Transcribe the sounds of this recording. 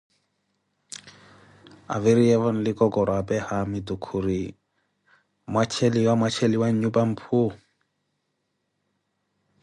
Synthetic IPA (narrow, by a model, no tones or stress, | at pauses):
a̰viɾiɛvɔnliɡɔɡɔɾabɛhamidukʰuɾi | mat͡ʃʰɛliwamat͡ʃʰɛliwaɲubam̩pʰu